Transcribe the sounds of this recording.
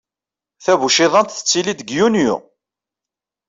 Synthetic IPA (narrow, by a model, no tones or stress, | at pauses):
θæβuʃɪðˤɑnt̪θə̥t͡sːilid̪əɡjunjṵ